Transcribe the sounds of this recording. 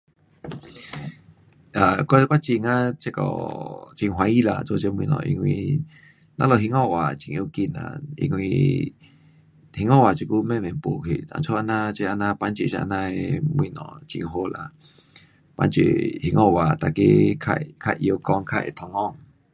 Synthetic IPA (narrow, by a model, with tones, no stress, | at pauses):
ʔa˨kʷa˦˧kwa˦t͡ʃi˧˨ŋa˦t͡ʃe˧kɔ̰˨t͡ʃi˧ŋɦwa˧˦i˦la̰˧˨t͡so˧t͡ʃe˧mwĩ˧nɔ̰̃˨ʔḭ˧ŋwĩ˧ | nã˦lo˧˨ɦi˧ŋɔ̃˦˨wʔa˨t͡ʃi˨˧˨ʔo˧ki˧˨nã̰˧˨ḭ˧ŋwĩ˧ | hi˧ŋɔ̃˦˨wa˨t͡ʃi˧ku˦mẽ˦˨mẽ˨mpo˨kʰḛ˧˨t̪a̰˨ŋt͡sʰo˦ʔa˧nã˧t͡ʃe˧ʔa˧nã˧pa˧˦nt͡ʃe˨ʃa̰˧nã˧e˧mwĩ˧nɔ̰̃˨t͡ʃḭ˧ŋ˧ɦo˧˦la̰˧˨ | pa˧˦nt͡ʃḛ˨hi˧ŋɔ̃˦˧˨wa˨t̪a˨ke˦kʰa̰˧kʰa˧˨ʔjo˧kɔ˧ŋkʰa̰˦˨ḛ˨t̪ʰɔ˧ŋɔ˧˨ŋ